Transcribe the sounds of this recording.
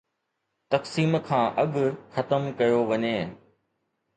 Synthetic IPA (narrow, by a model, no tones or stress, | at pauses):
t̪ɐksiːmkʰãːʔɐɠxɐt̪əmkɐjoʋɐɲeː